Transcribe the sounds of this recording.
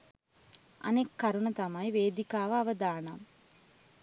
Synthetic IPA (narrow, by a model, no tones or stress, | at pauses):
ɐ̰nekːaɾunɐt̪ɐmɐjʋeːd̪ikaːʋəaʋəd̪aːnam